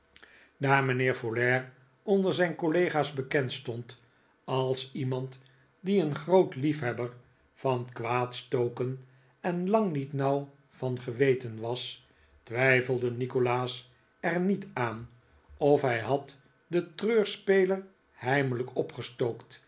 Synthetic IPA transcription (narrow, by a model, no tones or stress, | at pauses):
daːɹmənɪːɹvolɛːɹ | ɔndəɹzɛjnkolejχaːzbəkɛntstɔnt | ɑlˠsimɑnt | diənχrowtlifɦɛbəɹ | v̥ɑnkʋaːtstowkən | ɛnlɑŋnitnʌw | v̥ɑnχəʋejtənʋɑs | tʋɛjfəlˠdənikolaːs | ɛɹnitaːn | ɔfɦɛjɦɑt | dətrøːɹspejləɹ | hɛjmələkɔpχəstowkt